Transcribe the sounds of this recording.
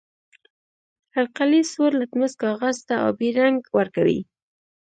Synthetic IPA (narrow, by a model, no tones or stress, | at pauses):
alqalisoɾlat̪məzkɑɣazt̪aa̰wbeɾaŋɡwəɾkawḭ